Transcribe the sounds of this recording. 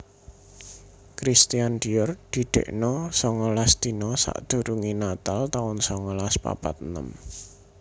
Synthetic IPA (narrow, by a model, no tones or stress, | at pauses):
kɾist̪iand̥ijɔrd̪̥i̤ɖ̪̥ḛʔnɔsɔŋɔlasd̪̥i̤nɔsa̰ʔd̪̥ṳɾuŋinat̪alt̪aʊnsɔŋɔlaspa̰pa̰t̪nə̰m